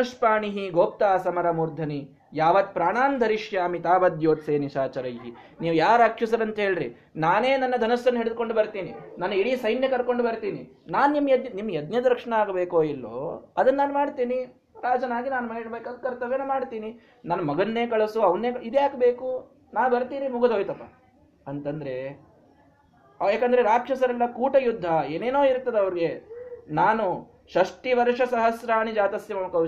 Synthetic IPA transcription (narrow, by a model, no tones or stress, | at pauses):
uʂpaːɳiɦiɡoːp̚t̪aːsɐmɐɾɐmuːɾd̪ʱɐni | jaːʋɐt̪pɾaːɳaːnd̪ʱɐɾiʃjaːmit̪aːbɐd̪ʱjoːt̪seːniʃaːt͡ʃɐɾɐjɦi | niːʋujaːɾɐkʂisɐɾɐnt̪ɦe̞ːɭɾḭ | naːneːnɐnːɐd̪ʱɐnɐsːɐnːɦeɽɪd̪̚koɳɖubɐɾt̪iːninɐnːɐiɽiːsɐjnjɐkɐɾko̞ɳɖbɐɾt̪iːni | naːnnimːɐjɐd̪nimːɐɐd̪njɐd̪ɐɾkʂɐɳɐaːɡɐbeːkoːilːo̰ːɐd̪ɐnɐːaːnumaːɽt̪iːni | ɾaːd͡ʒɐnaːɡinaːnumɐiɽbeːkad̪kɐɾt̪ːɐʋeːnomaːɽt̪iːni | nɐnːɐmɐɡɐnːeːkɐɭɐsuɐʋɐnːeːid̪eaːkbeːku | naːnubɐɾt̪iːnimuɡɐd̪ʱoːjt̪ɐpːa̰ | ɐnt̪ɐnd̪ɐɾe̞ | ɐjaːkɐnd̪ɐɾeɾaːkʂɐsɐɾɐlːɐkuːʈɐjud̪ʱːɐeːneːnoːiɾt̪ːɐd̪eɐʋɐɾiɡe̞naːnu | ʃɐʂʈiʋɐɾʂɐsɐɦɐsɾaːɳid͡ʒaːt̪ɐsjɐmɐmɐkɐ